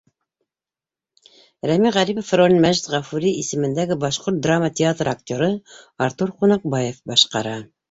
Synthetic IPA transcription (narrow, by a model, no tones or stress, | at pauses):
ɾæmiʁæɾipofrolʲinmæʒt̪ʁɑfuɾʲiisɘ̆mɘ̆nd̪æɡɘbɑʃqoɾt̪̚d̪ramːət̪ʲɪat̪rakt̪ʲoɾɤɑɾt̪uɾqunɑq̚bɑjefbɑʃqɑ̰ɾɑ